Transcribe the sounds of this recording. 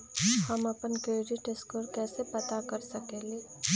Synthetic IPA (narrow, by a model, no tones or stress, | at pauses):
hɐmɐpənkeːɾiʈeskoːɾkɛːsepɐt̪akɐɾsɐkeːleː